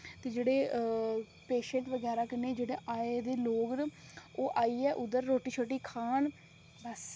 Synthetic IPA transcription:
t̪eːd͡ʒeːɽeː | peːʃə̃ɳʈʋəɡɛːɾaːkɪneːd͡ʒeːɽeːʔaːeːd̪eːloːɡnoːʔaːiːɛːʔʊd̪əɾːoːʈiːt͡ʃʰoːʈiːkʰaːn | bəs

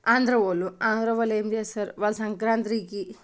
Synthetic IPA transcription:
aːnd̪ɾɐʋoluaːnd̪ɾɐʋɐleːmd̪esɐɾʋɐlsɐŋkɾaːnt̪ɾiki

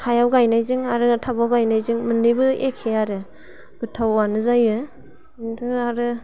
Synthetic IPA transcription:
hajawɡajnajzɯŋaɾɯtʰabawɡajnajzɯŋmɯnːibɯekʰːeaɾɯ | ɡ̥ɯtʰawanɯzajɯ | dɯaɾɯ

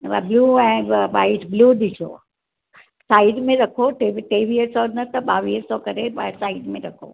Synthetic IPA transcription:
bluːɛ̃ːʋa̰ːɪʈbluːɗ̪ɪsʰo̰ | saːɪɖmẽɾɐkʰoʈeʈeːʋiəsɔnɐt̪ɐɓaːʋiːsɔkɐɾeasaːɪɖmẽɾɐkʰo̰

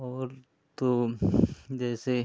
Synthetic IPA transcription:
ɔːɾ | t̪o | d͡ʒɛːse

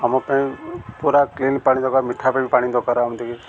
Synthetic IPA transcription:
amãpəĩpuɾakliːnpaːɽĩd̪ɔkaɾmiʈʰːapebipaːɽ̃ĩd̪ɔkaɾamt̪iki

